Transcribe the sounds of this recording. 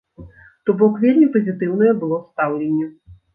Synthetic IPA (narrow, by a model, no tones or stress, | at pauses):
t̪ɔbɔkvʲelʲmʲipɐzʲit̪ɨwn̪ɐjɛbɨlˠɔst̪awlʲenʲːɛ